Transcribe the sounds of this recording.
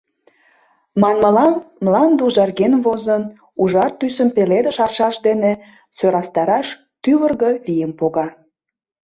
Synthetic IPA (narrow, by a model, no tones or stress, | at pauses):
mɑnməlɑmːlɑnd̪uʒɑrɣenvozən | uʒɑrt̪ysəmpeled̪əʃɑrʃɑʃd̪ene | søɾɑst̪ɑɾɑʃ | t̪yβərɣəβijəmpoɣɑ